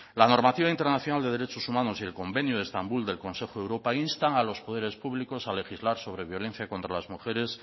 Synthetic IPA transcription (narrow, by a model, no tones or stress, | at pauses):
lano̞ɾmat̪iβaint̪e̞ɾnaθjo̞nald̪e̞ð̞e̞ɾe̞t͡ʃo̞sumãno̞sielko̞mbe̞njoð̞est̪ambuld̪e̞lko̞nse̞xoðe̞wɾo̞painst̪aŋalo̞spo̞ðe̞ɾe̞spuβliko̞sale̞xizlaɾso̞β̞ɾe̞βjo̞le̞n̟θjako̞nt̪ɾalazmuxe̞ɾe̞s